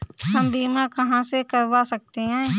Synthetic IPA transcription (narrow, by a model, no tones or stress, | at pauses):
ɦɐmbiːmakɐɦãsekɐɾʋasɐk̚t̪eɦɛ̃ː